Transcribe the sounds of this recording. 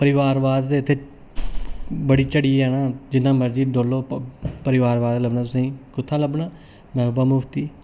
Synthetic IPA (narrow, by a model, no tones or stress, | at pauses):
pəɾɪʋaːɾʋaːd̪ːeːɪt̪ʰːeː | bəɽiːt͡ʃəɽiːɦɛːnaːd͡ʒɪnːãːməɾd͡ʒiːɖoːlːoːpəɾɪʋaːɾʋaːd̪ləbnaːt̪ʊsĩːkʊt̪ʰːaːləbɳãː | mɛ̃ːbaːmʊpʰt̪iː